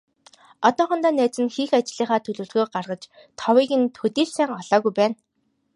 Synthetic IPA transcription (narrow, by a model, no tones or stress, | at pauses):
ɔt̪ɔːχɞ̆nt̪aːnæːt͡sɘ̆nxiːxat͡ɕɮiːχaːt̪ʰɵɮɵ̆ːɮɣoːɢarʁə̆t͡ɕ | t̪ʰɔwiːɣɘ̆nt̪ʰxɵt̪iːrsæːŋɔɮ̥ɔːɣujpæːn